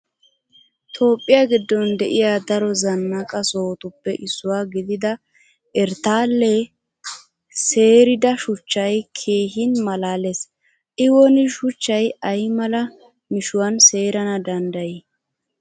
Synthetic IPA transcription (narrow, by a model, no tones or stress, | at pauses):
t̪ʰo̞ːpʼːɪjaːɡɪd̪ːɔnd̪ɛʔɪjaːd̪ɐɾɔzɐnːɐkʼɐso̞ːt̪ʊpːɛʔɪsːʊwaːɡɪd̪ɪd̪ɐ | ɛɾt̪aːlːɛ | se̞ːɾɪd̪ɐʃʊt͡ʃːɐjkʰe̞ːɦɪnmɐlaːles | ʔɪwɔnɪʃʊt͡ʃːɐjɐjmɐlɐ | mɪʃʊwɐnse̞ːɾɐnɐd̪ɐnd̪ɐji